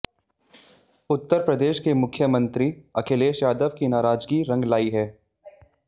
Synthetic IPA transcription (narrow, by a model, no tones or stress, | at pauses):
ʊt̪ːəɾpɾəd̪eːʃkemʊkʰːjəmə̃nt̪ɾiɐkʰeːleːʃjaːd̪əʋkinaːɾaːd͡ʒɡiɾɐ̃ŋɡlaːiɦɛː